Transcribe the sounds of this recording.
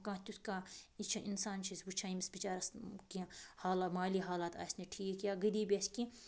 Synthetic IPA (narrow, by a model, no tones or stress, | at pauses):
kãːt̪ʲuskait͡ʃʰɐʔinsaːnt͡ʃʰisʋut͡ʃʰaimisbit͡ʃaːɾɐskĩhaːlamaːliːɦaːlaːt̪ʰa̰ːsʲniʈʰiːkjaɡɐd̪iːbʲeskĩ